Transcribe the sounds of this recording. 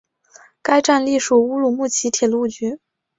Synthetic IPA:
ka˥ɪʈ͡ʂa˥˧nli˥˩ʂu˨˩u˥lu˨˩mu˥˩t͡ɕʰi˧˥t̪ʰjɛ˨˩lu˥˩t͡ɕy˧˥

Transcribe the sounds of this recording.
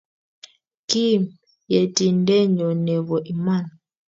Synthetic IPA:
ki˦˨m | jɛ˨ti˨n˦dɛ˦ɲɔ˨nɛ˨βɔ˨ʔi˨ma˦˨n

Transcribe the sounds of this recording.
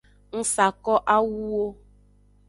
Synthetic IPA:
n̩˦sa˨kɔ˦ʔa˦wu˦wo˦

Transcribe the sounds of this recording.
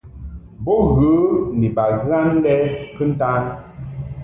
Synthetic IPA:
bɔ˦ɣə˨˦ni˨ba˨ɣa˦n˦dɛ˦kɨ˦n̩˦ta˦n

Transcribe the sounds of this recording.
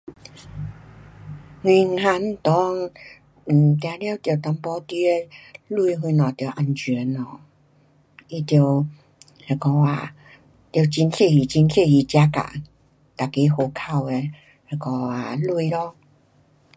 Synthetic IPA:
hwĩ˧ŋ̩˧ha˧n̩˧˦t̪ɔ˦ŋ | m̩˨˩t̪jã˧˩lja˦wt̪jo˨˩t̪a˧mpɔ˧˦t̪i˧˦e˧lu˧jɦwi˧nɔ̃˨˩t̪jʔa˧nt͡ɕɥɛ˨˦nɔ˨ | i˧t̪jo˨˩w | he˧˩kɔ˧a˨˩ | t̪jo˨˩t͡ɕi˧nse˥˧˨i˨˩t͡ɕi˧nse˥˧˨ji˧t͡ɕja˧ka̰˨ | t̪a˨˩ke˨˧˦ho˨˩kʰa˧we˧ | he˧kɔ˧˩a˨lu˧lɔ˦

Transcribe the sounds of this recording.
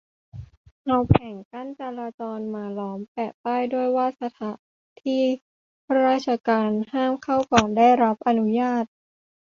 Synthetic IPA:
na˧wpʰɛː˨˩˦ŋka˥˩nt͡ɕa˧laː˧t͡ɕɔː˧nmaː˩˦lɔː˩˦mpɛː˨˩paː˥˩jdu˥˩əjwaː˥˩sa˧t̪ʰa˩˦ | t̪ʰiː˥˩ | pʰa˦˧ɾaː˥˩t̪̚t͡ɕʰa˧kaː˧nhaː˥˩mkʰa˥˩wkɔː˨˩nda˥˩jɾa˦˥p̚ʔa˧nu˦˥jaː˥˩t̪̚

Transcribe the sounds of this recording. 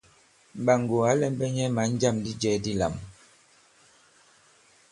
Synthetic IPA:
m̩˨ba˨ŋ˨ɡo˨a˨˦lɛ˦m˦bɛ˦ɲɛ˦ma˨˦n˦d͡ʒa˦˨mdi˦d͡ʒɛ˦di˦la̰˨m

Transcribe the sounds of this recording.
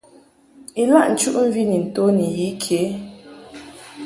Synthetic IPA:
i˨la˦˨ʔn̩˨t͡ʃu˦ʔɱ̩˦vi˦ni˨n̩˨to˦ni˨ji˨˦kʰe˨˦

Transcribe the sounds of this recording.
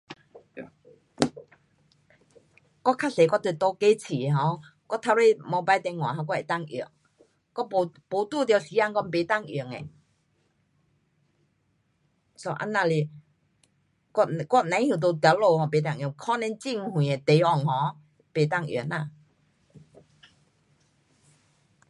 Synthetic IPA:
kɔ˥kʰa˥se˨kɔ˥˨t̪e˧˨˩t̪o˧˦ke˧˦t͡ɕʰi˨ɦɔ̃˨˧˦kɔ˥˨t̪ʰa˧wwe˥˧˨mɔ˧ba˧˦jt̪ɛ˧ŋwã̰˨ɦa˧kɔ˥˧˨e˨t̪a˥˧˨ŋḭ˨˩ŋ | kɔ˥˨ppo˨˧˦t̪u˥˧˨t̪̬ja˧˩si˧˦a˥˨ŋkɔ˧˦mpe˨˦t̪a˥˧˨ŋi˨˩əŋḛ˨ | so˧˦ʔa̰˧˥nːã˧˨le˧˩ | kɔ˥˧˩n˧kɔ˥˦nã˨˦hju˨˩t̪o˧t̪lo˧˨hɔ̃˧˩pe˨˦t̪a˥˩˨ŋjŋkʰɔ˦˥nɛ̃˧˦nt͡ɕi˥˧˨ŋhwĩ˨e˨˩t̪e˨˦ɔ˨˩ŋhɔ̃˧˦ | pe˨˩t̪a˥˧ŋjḭ˨˩na˧˨

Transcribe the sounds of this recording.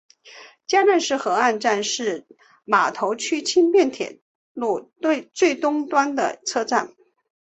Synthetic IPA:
t͡ɕja˥ʈ͡ʂa˥˧nʂɻ̩˥˩xɤ˧˥a˥˧nʈ͡ʂa˥˧nʂɻ̩˥˩ | ma˨˩t̪ʰo˧˥ʊt͡ɕʰy˥t͡ɕʰi˥npjɛ˥˩nt̪ʰjɛ̰˨˩˦ | lu˥˩t̪we˥˧ɪt͡swe˥˩ɪt̪ʊ˥ŋt̪wa˥nd̪ə̰˨t͡sʰɤ˥ʈ͡ʂa˥˩n

